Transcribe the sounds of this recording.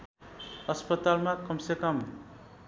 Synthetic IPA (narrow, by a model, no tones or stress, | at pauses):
ʌspʌt̪almakʌmsekʌm